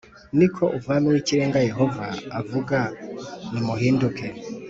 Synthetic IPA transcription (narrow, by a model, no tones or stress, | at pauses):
nikʰɔʔuvamiwit͡ʃiɾɛŋɡajɛɦɔvaːvukanimuɦindukʰɛ